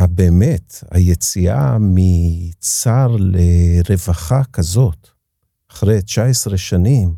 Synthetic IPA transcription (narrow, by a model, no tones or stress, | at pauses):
abeːmeta̰jet͡sia̰mit͡saʁleʁevaχakazo̞t | aχʁejt͡ʃaesʁeʃanim